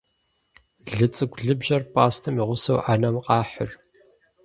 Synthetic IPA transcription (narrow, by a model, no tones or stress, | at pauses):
ɮɨt͡sʼɨɡʷɮɨbʒɐrpʼaːstʰɨmiʁʷʊsɐwʔaːnɐmqʼɑːħʊr